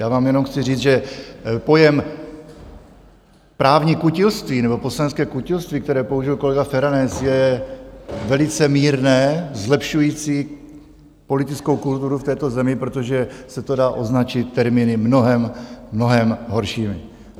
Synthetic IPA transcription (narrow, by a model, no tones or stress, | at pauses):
jaːvaːmjɛno̞mxt͡sɪriːd͡zʒɛpo̞jɛm | pɾaːvɲikucɪlst̪viːnɛbo̞poslanɛtskɛːkucɪlst̪viːk̚t̪ɛɾɛːpo̞uʒɪjlko̞lɛɡafɛɾanɛsjɛ | vɛlɪt͡sɛmiːɾnɛːzlɛpʃujiːt͡siː | po̞lɪt̪ɪt͡skowkult̪uɾuft̪ɛːt̪o̞zɛmɪpɾot̪o̞ʒɛsɛt̪o̞daːʔo̞znat͡ʃɪt̪ːɛɾmiːnɪmno̞ɦɛmːno̞ɦɛmɦo̞ɾʃiːmɪ̰